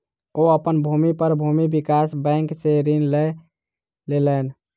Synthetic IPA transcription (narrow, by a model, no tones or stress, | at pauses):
oəpənbʱumipəɾbʱumibikasbə̃ɪŋkseɾinle | lelən